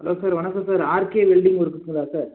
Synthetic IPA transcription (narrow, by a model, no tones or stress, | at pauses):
ɦɐlʔoːsaːɾʋɐnɐkːɐ̃saːɾaːɾkeːʋelɖɪŋɡɔɾɯkːɯt̪ːɯŋɡɐɭaːsaːɾ